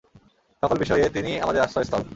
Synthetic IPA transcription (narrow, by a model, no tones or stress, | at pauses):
ʃɔkolbiʃɔjet̪iniamad̪eɾasaest̪ʰɔl